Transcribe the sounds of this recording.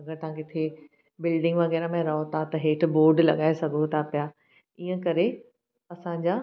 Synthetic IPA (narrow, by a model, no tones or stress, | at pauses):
ɐɡəɾt̪ɐʋ̤ãːkɪt̪ʰe | bɪlɖɪ̃ŋɡʋɐɣɛːɾamẽɾɐɦot̪ʰat̪ɐɦeːʈ̆ʰboːɾɖlɐ̰ɠaːesɐɡʱot̪ʰapjaː | iɦə̃kɐɾe | ɐsãd͡ʑaː